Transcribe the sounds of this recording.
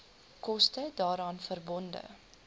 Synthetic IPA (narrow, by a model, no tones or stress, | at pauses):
kɔstədɑːɾɑːnfərbɔndə̰